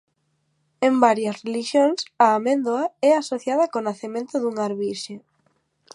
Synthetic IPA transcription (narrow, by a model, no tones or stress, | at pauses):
embaɾjɐsreliʃjoŋsaːmẽnd̪oaɛasoθjað̞ɐkonaθemẽnt̪ʊðuŋaɾβiʃe